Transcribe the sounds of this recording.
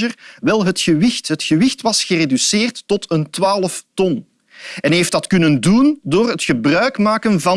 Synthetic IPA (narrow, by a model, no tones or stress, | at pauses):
ərʋɛlˠɦətxəʋɪxtɦətxəʋɪxtʋɑsxəredysɪːrtːɔtəntʋaːləftɔn | ɛnɦejftdɑtkɵnəndundoːrɦətxəbrœɥkmaːkənvɑ